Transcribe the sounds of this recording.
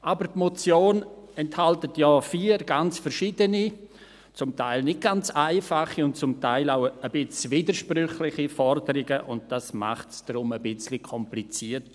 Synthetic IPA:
ʔabəɾtmɔt͡sjoːnɛnthaltətjɔːfiːɾɡant͡sfɛɾʃiːdəni | t͡sʊmtʰaɪlnɪt̚ɡ̥ant͡saɪfaχiʊnt̚t͡sʊmtaɪlaʊəb̥ɪt͡sviːdəɾʃprʏχlɪχifɔrdəɾɪɡəʔʊnt̚d̥asma̰χtsd̥ɾʊməbɪt͡slikʰɔmplit͡siərt

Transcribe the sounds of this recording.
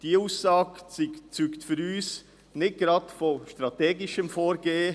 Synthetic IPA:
d̥iuːsːɑːɡt͡sit͡syːktfʏɾyːs | nɪt̚ɡ̥ɾɑtfoʃtɾɑteːɡɪʃəmfoːɾɡeːə

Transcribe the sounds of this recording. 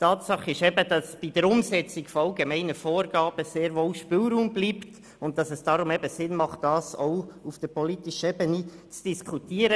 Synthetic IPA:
tʰɑːtsɑχɪʃɛbəd̥ɑsb̥id̥əɾʊmsɛt͡sɪɡfɔɑlɡemɛɪnəfoːɾɡɑːb̥əseːɾʋoːʊʃpɪːlɾuːmbliːpt | ʊnt̚ːɑsɛsd̥ɑɾʊmɛbəsɪnmɑχtd̥ɑːsoʊufd̥əɾpɔlitɪʃəɛbənit͡sd̥iskʰutiːəɾə

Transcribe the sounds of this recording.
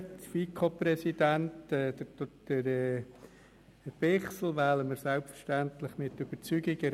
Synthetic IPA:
tfikʰopɾɛsidæntɛd̥əd̥əɾɛː | b̥ɪχsl̩ʋæːləməɾsɛlpfəɾʃtæntlɪχmɪtːyb̥əɾt͡syːɡɪɡəɾ

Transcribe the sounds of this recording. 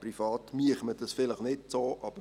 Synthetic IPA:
prifɑːtmyəχməd̥ɑsfɪləχnɪt̚soːʔɑb̥ə

